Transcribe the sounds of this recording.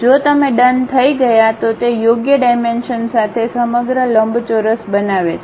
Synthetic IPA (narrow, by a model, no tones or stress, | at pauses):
d͡ʒot̪əmeɖənt̪ʰəiɡəjat̪ot̪ejoɡjəɖajmenʃənsat̪ʰesəməɡɾələmbt͡ʃoɾəsbənaʋet͡ʃʰ